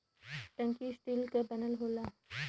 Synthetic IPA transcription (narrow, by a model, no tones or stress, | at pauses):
ʈə̃ŋkisʈiːlkabɛnəlɦoːlaː